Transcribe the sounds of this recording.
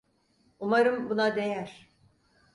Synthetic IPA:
umaɾɯmbunad̪e̞jæɾ̥

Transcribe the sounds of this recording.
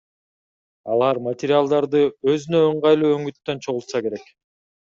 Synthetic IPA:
ɑlˠɑɾmat̪ʲɪɾʲɪalˠd̪ɑɾd̪ɯøzynø̞ːɴʁɑjlˠuːø̞ŋyt̪ːø̞nt͡ʃʰo̞ʁulˠt̪sɑke̞ɾe̞k

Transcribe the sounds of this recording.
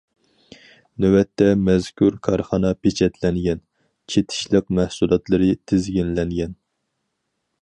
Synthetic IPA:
nøwɛt̪ʰːɛmɛzkʲʰuɾkʰɑɾχɑnɑpʰet͡ʃʰɛt̪lɛnɡʲɛn | t͡ʃʰet̪ʰɪ̥ʃlˠəq̚mæhsulˠɑt̪lˠɨɾɨt̪ʰɪzɡʲinlɛŋɡʲɛn

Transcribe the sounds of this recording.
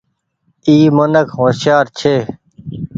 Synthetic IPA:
iːmənəkʰɦoːsjaːɾt͡ʃʰeː

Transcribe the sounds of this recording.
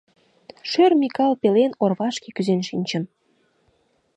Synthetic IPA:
ʃørmʲikɑlpelenorβɑʃkekyzenʃinʲt͡ɕən

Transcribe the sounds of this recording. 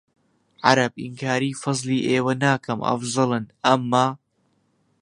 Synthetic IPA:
ʕɑɾɐb̚ɪŋkʰaːɾiːfɑzˤliːʔeːwɐnaːkɐmʔɐ̰fzˤɨlɨnʔɐmːaː

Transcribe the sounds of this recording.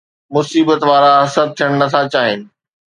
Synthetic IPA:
mʊsiːbət̪ʋaːɾaɦɐsəb̚t̪ʰijəɽ̃nɐt̪ʰat͡ɕaːɦɪnɪ̆

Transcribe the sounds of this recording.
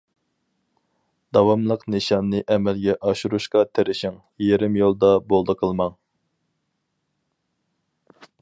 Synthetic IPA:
d̪̥ɑwɑmlˠəqnɨʃɑmnɨʔɛmɛlɡʲɛʔɑʃuɾuʃqɑt̪ʰeɾɪʃɪŋ | jeɾɪmjolˠd̪ɑbolˠd̪əqʰəlˠmɑŋ

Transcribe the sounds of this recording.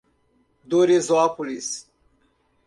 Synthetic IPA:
d̪oɾezoakulis

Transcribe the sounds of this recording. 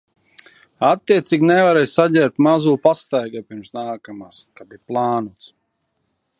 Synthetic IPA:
at̪ːiɛt̪siːɡʲnɛvaɾɛjssaɟʲɛːɾt̪mazuːpast̪ajɡapiɾmsnaːkamaːskab̪iplˠaːnuɔt̪s

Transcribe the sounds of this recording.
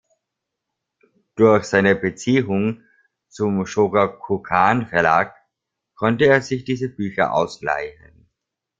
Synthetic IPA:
d̥ʊɐçz̥aɪnəbət͡siːʊŋ | t͡sʊmʃoːɡakʰukʰaːnfɛɐla̰ːk | kʰːɔntəeːɐzɪçd̥iːzəbyːçɐ̰ʔa̰ʊsla̰ɪçə̰n

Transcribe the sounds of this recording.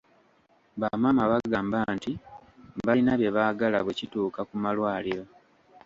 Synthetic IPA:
βamamaβaɡaːmbantimbainaβje̞βaːɡala̰βwecituːkakumalwaːliɾo

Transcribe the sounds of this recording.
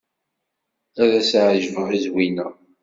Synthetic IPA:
æðæsʕʒvəðizwinæ

